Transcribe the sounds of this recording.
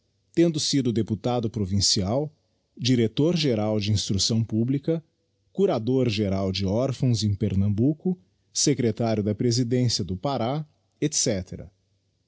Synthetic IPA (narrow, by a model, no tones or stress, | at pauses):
t̪ẽnd̪ʊsid̪ʊd̪eput̪ad̪ʊpɾovĩsiaw | d͡ʒiɾet̪oɾʒeɾawd͡ʒɪĩst̪ɾusɐ̃w̃publikɐ | kuɾad̪oɾʒeɾawd͡ʒɪɔɾfɐ̃w̃zẽj̃peɾnɐ̃mbukʊ | sekɾet̪aɾʲjʊd̪ɐpɾezid̪ẽsiɐd̪ʊpaɾa | et̪sɛt̪eɾɐ̰